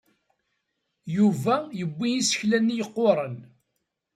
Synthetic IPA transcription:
juvæjəbʷːijisə̥çlænːijəqːʊɾˤən

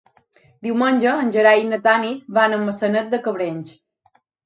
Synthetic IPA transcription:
d̪iwmənʲd͡ʒəːnʲd͡ʒəɾajinət̪anit̪̚banəmːəsənət̪̚d̪əkəβɾenʲt͡ʃ

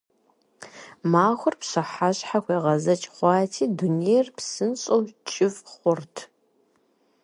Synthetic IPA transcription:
maːxʷʊrpɕɐħaɕʼħaxʷeːʁɐzɐt͡ʃʼχʷɑːtʰiːdunejrpsɨnɕʼowt͡ʃʼɪfχʷʊrtʰ

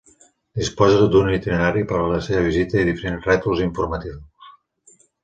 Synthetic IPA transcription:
d̪ispɔzəd̪unit̪ineɾaɾipəɾələseβəβ̞izit̪əiðifəɾenzrɛt̪uziɱfuɾmət̪iws

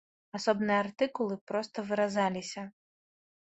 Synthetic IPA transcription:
asɔbnɨjɐart̪ɨkulˠɨpɾɔst̪ɐvɨɾazalʲisʲɐ

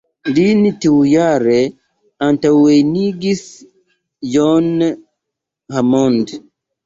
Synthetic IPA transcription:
linitiwjaɾe | antawejniɡis | d͡ʒɔn | hamɔnd

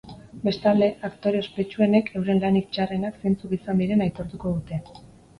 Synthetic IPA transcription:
be̞st̪ald̪e̞ʔakt̪o̞ɾeospe̞t͡ʃue̞ne̞kʰe̞wɾe̞nlanik̚t͡ʃarenakse̞nt͡sukisand̪iɾe̞najt̪o̞ɾt̪uko̞ð̞ut̪e̞

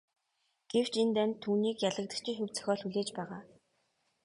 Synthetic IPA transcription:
ɡ̥ew̥t͡ɕent̪ænt̪ʰːuːniːkjaɮə̆k̚t̪ə̆kt͡ɕʰɪ̆ŋxɵwt͡sœ̥xʲɔːɮxuɮeːt͡ɕpæːʁaː

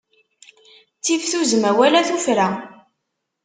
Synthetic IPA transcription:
t͡sːivθuzəmæwælæθufɾæ

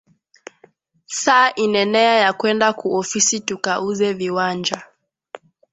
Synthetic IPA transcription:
saːʔinɛnɛajakwɛndakuɔfisitukauzɛviwand͡ʒa

